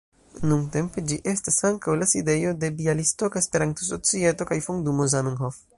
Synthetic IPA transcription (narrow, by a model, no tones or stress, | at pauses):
nuŋte̞mpe̞d͡ʒiʔe̞stasaŋkawlaside̞jo̞de̞bialisto̞kajespe̞ɾanto̞s̬o̞t͡sie̞to̞kajfoŋdumozamenɦof